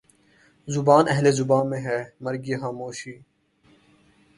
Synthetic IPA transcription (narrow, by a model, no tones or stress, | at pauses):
zʊbaːnɛɦlezʊbaːnmẽɦɛːmɐɾɡijexaːmoːʃiː